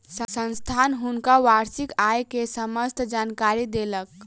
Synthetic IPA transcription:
səsənst̪ʰanɦunkaʋaɾsikajkesəməst̪d͡ʒankaɾid̪elək

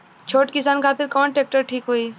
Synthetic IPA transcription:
t͡ʃʰoːʈkɪs̬aːnkʰaːt̪ɪɾkɔːnʈeːk̚ʈəɾʈʰiːkɦoːiː

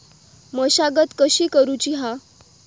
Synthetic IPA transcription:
məɕaɡət̪kəɕiːkəɾut͡ɕiɦa

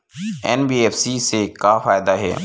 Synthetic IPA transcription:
ɛːnbiːeːfsisekafaːjd̪aɦɛ̰ː

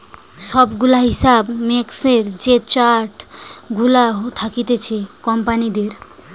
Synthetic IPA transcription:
ʃɔbɡulaɦisabmekseɾd͡ʑet͡ɕaʈɡulaɦot̪ʰakit̪et͡ɕʰekɔmpanid̪eɾ

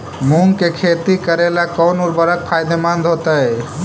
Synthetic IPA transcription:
muŋkekʰet̪ikəɾelakɔwnuɾbəɾək̚pʰajd̪ʱemand̪ʱot̪əj

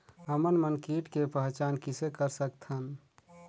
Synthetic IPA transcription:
ɦəmənmənkiʈkepəɦt͡ʃankisekəɾsəkt̪ʰən

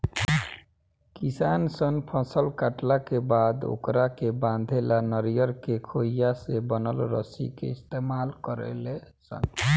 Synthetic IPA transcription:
kisansənpʰə̃səlkaʈlakebad̪o̰kɾakebãnd̪ʱelanəɾijəɾkekʰoijasebənəlɾə̰sḭkḛist̪emalkəɾḛlesə̰n

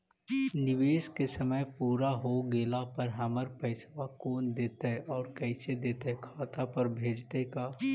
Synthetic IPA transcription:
nɪʋeːskesəməjpuːɾaɦoɡeːlapəɾɦɐməɾpəɪsʋakoːnd̪eːt̪eɔːɾkɛɪsed̪eːt̪ɦɛkʰaːt̪apɐɾbʱeːd͡ʒt̪ekaː

